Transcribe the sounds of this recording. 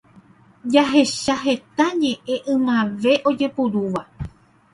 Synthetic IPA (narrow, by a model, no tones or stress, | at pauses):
d͡ʒaɦe̞ʃaɦe̞t̪aɲẽ̞ʔẽ̞ʔɨ̃mãʋe̞ʔo̞d͡ʒe̞puɾuʋa